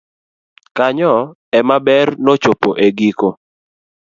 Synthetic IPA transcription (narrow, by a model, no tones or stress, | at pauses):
kaɲɔ | ɛmabɛrnot͡ʃopoʔeɡiko